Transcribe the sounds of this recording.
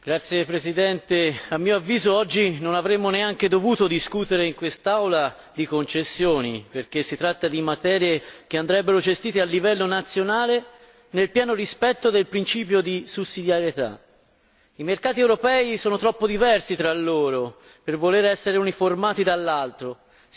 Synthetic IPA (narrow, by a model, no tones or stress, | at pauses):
ɡ̥ɾat̪sːjepɾezid̪ɛnt̪eamːioavːiːzoɔd͡ʒːinonavɾemːoneaŋked̪ovuːt̪od̪iskut̪eɾeiŋkwest̪awla | d̪ikont͡ʃesːjoːniperk̟esːit̪ɾat̪ːad̪imat̪ɛːɾjekeand̪ɾɛbːeɾod͡ʒest̪iːt̪ealːivɛlːonat̪sːjonaːle | nelpjɛːnoɾispɛt̪ːod̪elpɾint͡ʃiːpjod̪isusːid̪jaɾjet̪a̰ | imerkaːt̪iewɾopɛːisɔːnot̪ɾɔpːod̪ivɛrsit̪ɾalːoːɾo | pervoleɾɛsːeɾeuniformaːt̪id̪alːalt̪ɾo